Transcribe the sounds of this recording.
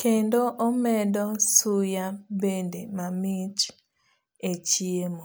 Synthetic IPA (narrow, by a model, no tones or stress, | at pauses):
kendoʔomɛdɔsujabendemamɪt͡ʃ | et͡ʃiemo